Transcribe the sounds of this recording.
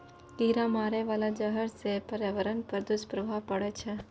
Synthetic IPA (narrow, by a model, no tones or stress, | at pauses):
ɡiːɾamaːɾeʋaːlad͡ʒəɦəɾsepəɾjaʋəɾənpəɾd̪ʊspɾəʋʱapəɽet͡ʃʰe